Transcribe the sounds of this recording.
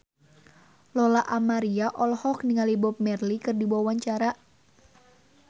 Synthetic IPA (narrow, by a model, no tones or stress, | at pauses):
lɔlaʔamaɾiaʔɔlhɔkniŋalibɔp̚mɛrlikɨrdibawaɲt͡ʃaɾa